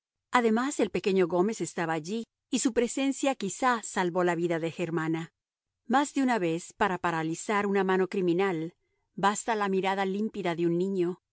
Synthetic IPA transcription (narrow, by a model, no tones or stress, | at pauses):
aðe̞mase̞lpe̞ke̞ɲo̞ɣo̞me̞se̞st̪aβaːʝiː | supɾe̞se̞nsjakisasalβo̞laβiðaðe̞xeɾmana | mazðeunaβe̞spaɾapaɾalisaɾunamãno̞kɾimĩnal | bast̪alamiɾaðalimpiðaðeunːĩɲo̞